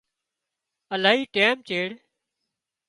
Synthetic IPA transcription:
əlaːɦiːʈeːmt͡ʃeːɽ

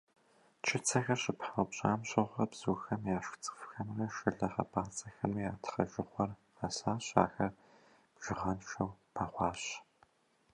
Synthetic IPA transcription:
t͡ʃʰɪt͡sʰɐxɐɕɪpħawpɕʼaːmɕʼɨʁʷɐbz̥uːxɐmjaːʃt͡sʼɨ̥fxɐmrɐʃɨɮɐχɐ̰pʰʼaːt͡sʼɐxɐmujaːtʰχɐʒɪχʷɔr | asaːɕa̰ːxɐr | b̥ʒ̥ɪʁɐnʃɐwpʰaːχʷɑːɕ

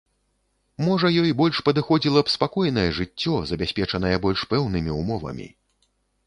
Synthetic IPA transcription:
mɔʐɐjɔjbɔlʲʂpɐd̪ɨxɔd͡zʲilˠɐpspakɔjnɐjɛʐɨt͡sʲːɔzɐbʲasʲpʲɛt͡ʂɐnɐjɛbɔlʲʂpɛwnɨmʲiumɔvɐ̰mʲḭ

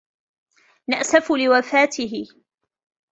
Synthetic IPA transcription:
naʔsafʊlɪwafaːt̪ʰɪɦɪ

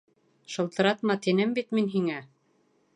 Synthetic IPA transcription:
ʃɤ̆lˠt̪ɤ̆ɾɑt̪mɑt̪inɘmbit̪minɦiŋæ

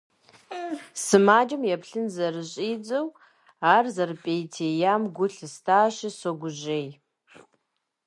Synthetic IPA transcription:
sɨmaːd͡ʒɐmjɛpɬɨnzɐrɨɕʼiːd͡zʼɐw | aːrzɐrɨpʼejtʰejaːmɡʷʊɬɨstʰaːɕɪsoɡʷʊʑej

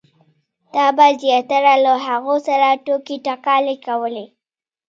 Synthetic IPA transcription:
d̪̥ɑbazjɑt̪aɾalaɦaɣosaɾaʈokiʈakɑlekawəle

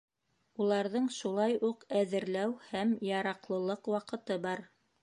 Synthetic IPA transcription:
ulˠɑɾðɤɴʃulˠɑjuqæðɘ̆ɾlæwhæmjɑɾɑqlˠɤ̆lˠɤqwɑqɤ̆t̪ɤbɑɾ

